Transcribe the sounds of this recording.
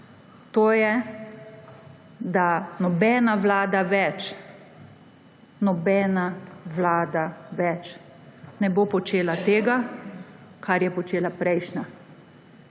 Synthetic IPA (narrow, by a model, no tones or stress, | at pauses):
t̪oːjɛ | d̪anɔbɛːnaʋlaːd̪aʋɛt͡ʃ | nɔbɛːnaʋlaːd̪aʋɛt͡ʃ | nɛboːpɔt͡ʃeːlat̪eːɡa | kʰaɾjɛpɔt͡ʃeːlapɾɛjʃna